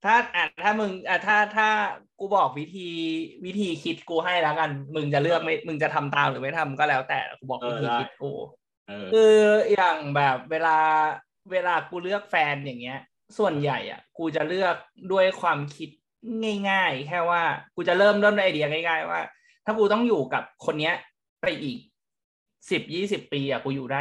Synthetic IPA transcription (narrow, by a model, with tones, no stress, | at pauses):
t̪ʰaː˥˩ʔa˨˩t̪ʰaː˥˩mɯ˧ŋʔaː˧˩t̪ʰaː˥˩t̪ʰaː˥˩kuː˧bɔː˨˩k̚wi˦˥t̪ʰiː˧wi˦˥t̪ʰiː˧kʰi˦˥t̪̚kuː˧ɦa˥˩jlɛː˦˥ka˧nmɯ˧ŋt͡ɕa˨˩lɯ˥˩ək̚ma˥˩jmɯ˧ŋt͡ɕa˨˩t̪ʰa˧mt̪aː˧mɾɯː˩˦ma˥˩jt̪ʰa˧mkɔː˥˩lɛː˦˥wt̪ɛ̰ː˨˩a̰˧˩kuː˧bɔː˨˩k̚wi˦˥t̪ʰiː˧kʰi˦˥t̪̚kṵː˧ | kʔɯː˧jaː˨˩ŋbɛː˨˩p̚weː˧laː˧ | weː˧laː˧kuː˧lɯ˥˩ək̚fɛː˧nja˨˩ŋːi˦˥ɐ | su˨˩ənja˨˩jʔa̰˩kuː˧t͡ɕa˨˩lɯ˥˩ək̚du˥˩əjkʰwaː˧mkʰi˦˥t̪̚ | ŋa˥˩jŋaː˥˩jkʰɛː˥˩waː˥˩kuː˧t͡ɕa˨˩ɾlɤː˥˩mdu˥˩˨ndu˥˩ʔa˧jdi˧ɐ˧ŋa˥˩jŋaː˥˩jwa̰ː˥˩ | t̪ʰaː˥˩kuː˧t̪ɔ˥˩ŋjuː˨˩ka˨˩p̚kʰo˧nːi˦˥ɐ | pa˧jʔiː˨˩k̚ | si˨˩p̚jiː˥˩si˨˩pːiː˧ʔa˨˩kuː˧juː˨˩daː˥˩j